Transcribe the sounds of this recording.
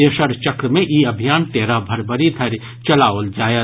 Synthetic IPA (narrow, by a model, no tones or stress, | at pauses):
eːʃəɾt͡ʃɐkɾəmẽʔiɐbʱijaːnt̪eːɾabʱɐɾbəɾid̪ʱɐɾ | t͡ʃɐlaːold͡ʒaːjə